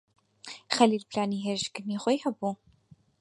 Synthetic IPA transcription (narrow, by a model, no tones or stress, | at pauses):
χɐliːlpʰɬaːniːɦeʒɡɨmiːχʷɔjhɐbu